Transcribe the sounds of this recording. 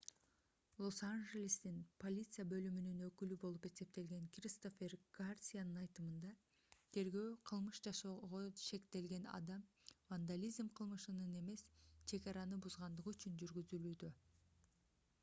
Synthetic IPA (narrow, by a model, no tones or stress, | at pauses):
lˠo̞sanʒe̞lʲist̪inpo̞lʲit̪sɨjabø̞lymynynø̞kylybo̞lˠupe̞se̞p̚t̪e̞lɡe̞ŋkrʲist̪o̞fʲerɡ̥arsʲijanɯnɑjt̪ɯmɯnd̪ɑ | t̪ʰe̞ɾɡø̞ːqʰɯlˠmɯʃd͡ʒɑʃo̞ʁoʃe̞kt̪e̞lɡe̞nɑ̰d̪ɑmvand̪alʲizmqʰɯlˠmɯʃɯnɯne̞me̞st͡ʃʰe̞ɡɑɾɑnɯbuzʁɑnd̪ɯʁɯyt͡ʃynd͡ʒyɾɡyzylyːd̪ø̞